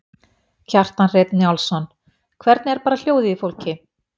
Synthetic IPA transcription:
cʰar̥t̪anrɛːt̪nɪawlsɔn | kʰvɛɾt̪nɛɾpaːɾal̥joːwðɪifowlcɪ

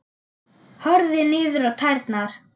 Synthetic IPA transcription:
hɔɾðɪnɪːðʏɾawt̪ʰajɾt̪naɾ̥

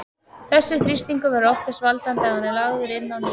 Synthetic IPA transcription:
θɛsːɪθɾist̪iŋkʏvɛɾɔft̪ḁsvalt̪ant̪ɛanːɛɾlaɣðʏɾɪnːawni

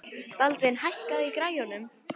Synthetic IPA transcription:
palt̪vɪnɦajhkaðikɾaːjɔnʏm

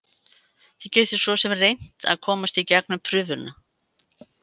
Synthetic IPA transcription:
θiceːjt̪ʏ̥svɔsɛmrejn̥t̪a̰ðkʰɔːmast̪icɛk̚nʏmpʰɾʏːvʏɾna

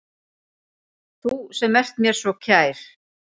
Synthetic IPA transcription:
θusɛmɛr̥t̪mjɛɾ̥svɔcʰaːjɾ̥

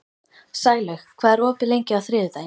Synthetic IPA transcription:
saːjɣlœxkʰvaːðɛɾɔːpɪlejɲcɪawθɾɪːðʏθa

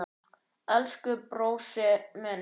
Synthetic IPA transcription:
ɛlskʏpɾoːwsɛmɛn

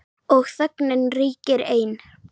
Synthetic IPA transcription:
ɔɣθœknɪnriːcɪɾeːjn

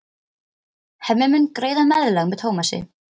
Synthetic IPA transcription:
hɛmːɪmʏnkɾeːjðamɛðɾlaɣmɛðhowmasɪ̰

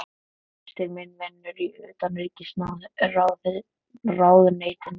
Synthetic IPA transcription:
t̪ɪɾmɪnmɛnːʏɾiœːt̪anɾiːcɪsnawðraːwðɪ | raːwðʏneːjt̪ɪn

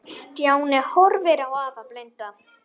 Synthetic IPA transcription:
st̪jaːwnɛhɔɾvɛɾawaːvaplɛjnt̪a

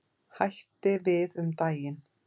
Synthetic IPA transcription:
hajht̪ɪvɪðʏmt̪aːjɪn

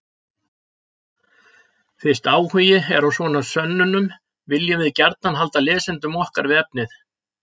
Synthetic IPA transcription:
θɪ̥st̪aːwhʏːjɪɛɾawsvɔːnasœnːʏnʏm | vɪljavɪðcɛɾt̪̚nanɦal̪t̪alɪːsɪnt̪ʏmɔhkaɾvɪɛp̚nɪθ

